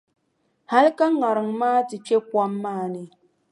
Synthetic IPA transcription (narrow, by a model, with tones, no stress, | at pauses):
ha˦lka˦ŋa˨ɾɨ˨ŋmaː˦ti˨pe˦kwa˦mːaː˦˨nɨ˦